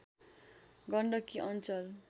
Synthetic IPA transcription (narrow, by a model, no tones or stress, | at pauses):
ɡʌɳɖʌkiʔʌnt͡sʌl